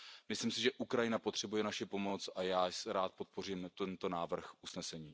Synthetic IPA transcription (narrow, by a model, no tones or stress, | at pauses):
mɪslimsɪʒɛʔukɾajɪnapo̞t̪r̝̥ɛbujɛnaʃɪpo̞mo̞t͡sʔajaːsɾaːt̪̚po̞t̪̚po̞riːmt̪ɛnt̪o̞naːvr̩xʔusnɛsɛɲiː